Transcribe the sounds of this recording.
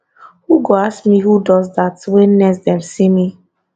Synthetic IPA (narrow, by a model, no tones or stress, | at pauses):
huɡoaskmihudɔzdatwɛ̃nnɛsdɛ̃msimi